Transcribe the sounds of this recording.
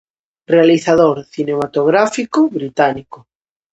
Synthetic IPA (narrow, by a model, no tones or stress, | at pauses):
realiθaðoɾθinemat̪oɣɾafikoβɾit̪aniko